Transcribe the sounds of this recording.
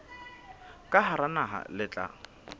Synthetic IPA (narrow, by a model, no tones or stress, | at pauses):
kʼahaɾanaɦa̰lɪt͡ɬʼa̰